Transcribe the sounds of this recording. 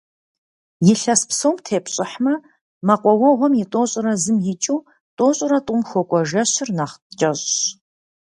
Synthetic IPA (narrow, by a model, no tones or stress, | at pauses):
jɪɬɐspsowmtʰeːpɕʼɪħmɐ | mɐqʷɔwɔʁʷɔmjɪtʷʼoːɕʼɪɾɐzɨmjɪt͡ʃʼiw | tʼoːɕʼɪɾɐtʼʊmxʷɔkʷʼɔʒɐɕɪrnaχt͡ʃʼɐɕʼɕ